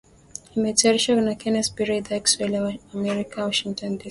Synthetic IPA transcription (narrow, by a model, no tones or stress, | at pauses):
himetɛɾiʃɔknakʰɛnɛspiɹed̪akswelawamɛɹikʰãwɔʃĩŋtɔ̃ndi